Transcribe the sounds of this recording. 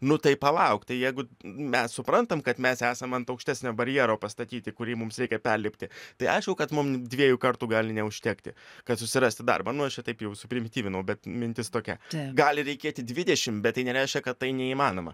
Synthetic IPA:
nʊt̪ɐɪpɐlˠɐʊkt̪ɐɪjɛɪɡʊmʲɛssʊpɾɐnt̪ɐmkɐt̪mʲɛsæːsɐmɐnt̪ɐʊkʃʲt̪ʲæːsʲnʲoːbɐɾʲjɛːɾoːpɐst̪ɐt̪ʲiːt̪ʲɪkʊɾʲiːmʊmsɾʲɛɪkʲɛpʲɛrʲlʲɪpʲt̪ʲɪt̪ɐɪɐ̰ɪʃkʊkɐt̪mʊmdʲʋʲiɛjukɐrt̪uɡɑːlʲɪnʲɛʊʃʲt̪ʲɛkt̪ʲɪ̰kɐt̪sʊsʲɪɾɑːsʲt̪ʲɪd̪ɑ̰rbɐnʊɐʃt͡ʃʲɛt̪ɐɪpjɛʊsʊpʲɾʲɪmʲɪt̪ʲiːʋʲɪnɐʊbʲɛt̪mʲɪnʲt̪ʲɪst̪oːkʲɛ̰tɡɑːlʲɪɾʲɛɪkʲeːt̪ʲɪdʲʋʲɪd̪ʲɛʃʲɪmbʲɛt̪t̪ːɐɪnʲɛɾʲɛɪʃʲkʲɛkɐt̪ːɐɪnʲɛiːmɑːnoːmɐ̰

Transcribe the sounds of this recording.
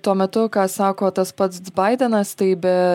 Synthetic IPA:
t̪uɔmʲɛt̪ʊkɑːsɑːkoːt̪ɐspɐt̪sbɐɪd̪ʲɛnɐst̪ɐɪbʲɛ

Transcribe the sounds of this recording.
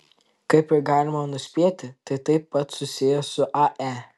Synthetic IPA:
kɐɪpʲɪɾɡaːlʲɪmɐnʊsʲpʲiɛt̪ʲɪt̪ɐɪt̪ɐɪpːɐt̪sʊsʲijɛsʊʔaʔæ

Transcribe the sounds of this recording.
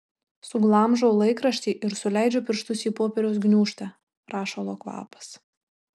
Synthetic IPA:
sʊɡlˠɐmʒɐʊlˠɐɪkɾɐʃʲt̪ʲiːʔɪɾsʊlʲæˑɪd͡ʒʲoːpʲɪɾʃt̪ʊsʲiːpoːpʲɛɾʲɛʊsɡnʲuːʃt̪ʲɑ | pɾɑːʃoːlˠoːkʋɑ̰ːpɐ̥s

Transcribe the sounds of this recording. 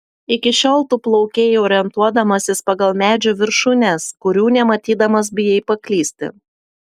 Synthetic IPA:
ɪkʲɪʃʲoːlˠt̪uːplˠɔʊkʲeːjɔːɾʲɪɛnt̪uɔd̪ɐmɐsʲɪspɐɡɐlˠmʲæːd͡ʒʲuʋʲɪɾʃʊnʲɛskʊɾʲuːnʲɛmɐt̪ʲiːd̪ɐmɐs̬bʲɪjɛɪpɐklʲiːsʲt̪ʲɪ̰

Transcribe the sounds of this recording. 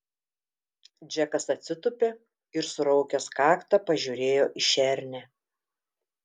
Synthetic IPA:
d͡ʒʲɛkɐsɐt̪ʲsʲɪt̪ʊpʲeː | ɪɾsʊɾɒʊkʲɛskɑːkt̪ɐpɐʒʲuɾʲeːjoːʔɪʃʲɛɾʲnʲɛ

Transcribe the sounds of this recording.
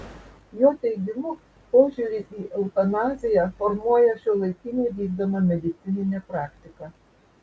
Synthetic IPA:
joːt̪ʲɛɪɡʲɪmʊ | poːʒʲuɾʲɪʔiːʔɛʊt̪ɐnɑːzʲɪjɛfɔɾmuɔjɛʃʲuːlˠɐɪkʲɪnʲuːd̪ʲiːɡd̪ɐmɐmʲɛd̪ʲɪt̪sʲɪnʲɪnʲɛpɾɑːkt̪ʲɪkɑ

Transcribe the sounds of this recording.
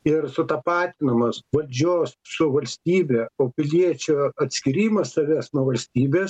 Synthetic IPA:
ɪrsʊt̪ɐpɑːt̪ʲɪnɐmɐsʋɐlʲd͡ʒʲoːssʊʋɐlʲsʲt̪ʲiːbʲɛoːpʲɪlʲiɛt͡ʃʲʊɐt̪ʲsʲkʲɪɾʲiːmɐssɐʋʲɛsnuɔʋɐlʲsʲt̪ʲiːbʲeːs

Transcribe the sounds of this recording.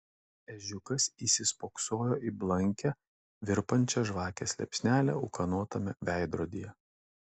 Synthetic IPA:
ɛʒʲʊkɐsiːsʲɪspoːksoːjoːʔiblˠɐŋʲkʲɛ | ʋʲɪɾpɐnʲt͡ʃʲɛʒʋɑːkʲɛsʲlʲɛ̰pʲsʲnʲæːlʲɛ̰ʊ̰kɐnoːt̪ɐmʲɛʋʲæˑɪd̪ɾoːd̪ʲijɛ

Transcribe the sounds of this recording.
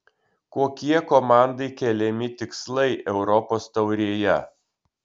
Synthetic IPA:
koːkʲiɛkomɑˑnd̪ɐɪkʲɛlʲɛmʲɪt̪ʲɪkslˠɐɪʔɛʊɾɔpoːst̪ɐʊɾʲiːjɛ

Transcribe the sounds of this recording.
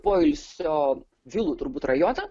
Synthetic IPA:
poːɪlʲsʲoː | ʋʲɪlˠuːt̪ʊɾbuːt̪rɐjoːt̪ɐ

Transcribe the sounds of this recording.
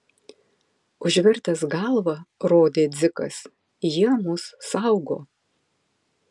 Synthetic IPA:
ʊʒʲʋʲɪɾt̪ɐsɡɑlˠʋɐɾoːd̪ʲeːd̪zʲɪkɐ̰s | jiɛmʊsːɑˑʊɡo̰ː

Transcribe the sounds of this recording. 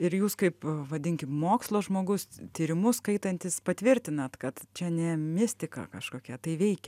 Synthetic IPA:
ɪɾjuːskɐɪpʋɐd̪ʲɪŋʲkʲɪmmoːkslˠoːʒmoːɡʊst̪ʲiːɾʲɪmʊskɐɪt̪ɐnʲt̪ʲɪspɐt̪ʲʋʲɪɾʲt̪ʲɪnɐt̪kɐt̪t͡ʃʲɛnʲɛmʲɪsʲt̪ʲɪkɑ̰ːkɐʃkoːkʲɛt̪ɐɪʋʲɛɪkʲɛ

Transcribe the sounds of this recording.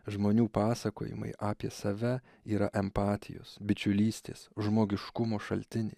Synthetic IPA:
ʒmoːnʲuːpɑːsɐko̰ːjɪ̰mɐ̰ɪʔɑːpʲiɛsɐʋʲɛ | iːɾɐʔɛmpɑːt̪ʲɪ̰jo̰ːsbʲɪt͡ʃʲʊlʲiːsʲt̪ʲḛːsʒmoːɡʲɪʃkʊmoːʃɐlʲt̪ʲɪnʲɛ̰ɪ

